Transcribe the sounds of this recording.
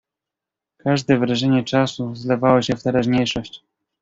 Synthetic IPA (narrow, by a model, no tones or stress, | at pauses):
kaʐd̪ɛvɾaʐɛɲɛt͡ʂasuzlɛvawɔɕɛft̪ɛɾaʑɲejʂɔɕt͡ɕ